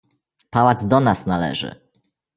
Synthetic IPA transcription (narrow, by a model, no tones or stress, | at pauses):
pawad̪zd̪ɔnasnalɛ̰ʐɘ̰